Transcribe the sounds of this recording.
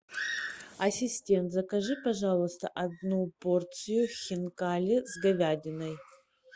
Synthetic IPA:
ɐsʲisʲtʲe̞nt̪zɐkɐʐɨpɐʐalˠəst̪ɐ̰ʔɐd̪nuport̪sɨjuxʲɪnkalʲɪzɡɐvʲadʲɪnɐj

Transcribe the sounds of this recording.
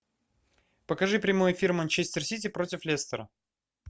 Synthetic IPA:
pəkɐʐɨpɾʲɪmojʊɪfʲirmɐnʲt͡ɕesʲtʲɪrsʲitʲɪpɾotʲɪflʲest̪əɾə

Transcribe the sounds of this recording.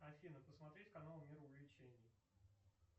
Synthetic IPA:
ɐfʲinəpəsmɐt̪ɾʲetʲkɐnalʊmʲiɾʊʊvʲlʲɪt͡ɕenʲɪj

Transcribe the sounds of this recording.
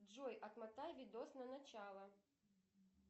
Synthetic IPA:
ʐɔjʔɐt̪mat̪ajvʲid̪ɔsnɐnat͡ɕalˠɐ

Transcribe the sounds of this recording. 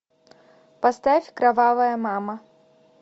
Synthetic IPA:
past̪afʲkɾavavɐjɐmamɐ

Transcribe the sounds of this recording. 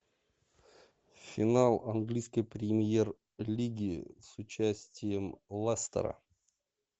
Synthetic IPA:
fʲɪnalˠɐnɡlʲijskəjpɾʲɪmʲjer | lʲiɡʲɪsʊt͡ɕæsʲtʲɪjəmlˠast̪ə̰ɾə̰

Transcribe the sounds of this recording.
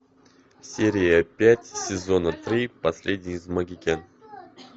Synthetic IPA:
sʲeɾʲɪjəpʲætʲsʲɪzo̞nət̪ɾʲipɐsʲlʲedʲnʲizmɐɡʲɪkʲen

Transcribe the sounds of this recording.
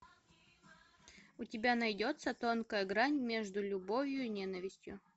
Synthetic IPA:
ʊtʲɪbʲanɐjdʲot̪sət̪o̞nkəjəɡɾanʲmʲe̞ʐd̪ʊlʲʊbovʲjʊinʲe̞nəvʲɪsʲtʲjʊ̰

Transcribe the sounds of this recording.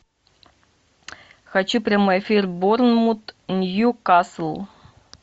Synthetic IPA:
xɐt͡ɕupɾʲamojɛfʲirbornmut̪nʲjukaslˠ

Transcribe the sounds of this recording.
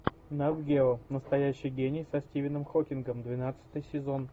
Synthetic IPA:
nad̪ɡʲelˠnəst̪ɐjæɕːɪjɡʲenʲɪjsɐsʲtʲivʲɪnɨmxokʲɪnɡəmd̪vʲɪnat̪sɨ̥t̪ɨjsʲɪzo̞n

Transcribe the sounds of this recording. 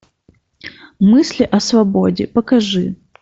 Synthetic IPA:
mɨsʲlʲɪʔɐsvɐbodʲɪ̰pəkɐʐɨ

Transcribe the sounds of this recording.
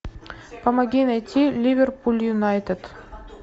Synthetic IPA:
pɐmɐɡʲinɑjt̪ʲʰːilʲivʲerpulʲjunɑjt̪et̪

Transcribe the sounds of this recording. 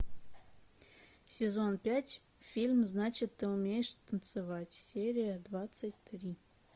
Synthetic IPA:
sʲezonpʲætʲ | fʲilʲmznat͡ɕɪt̪ːɨumʲejɪʂt̪ənt̪sɨvatʲsʲeɾʲijəd̪vat̪sətʲt̪ɾʲi

